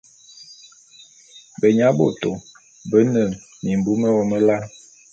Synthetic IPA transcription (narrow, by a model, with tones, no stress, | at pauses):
bə˨ɲa˨˦bo̰˨to˨ | bə˦nə˦˨ | ni˨m̩˨bu˨˦mə˦wɔ˦mə˦la˦